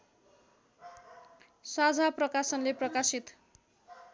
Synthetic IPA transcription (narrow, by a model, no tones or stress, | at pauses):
sad͡zʱaprʌkasʌnleprʌkasit̪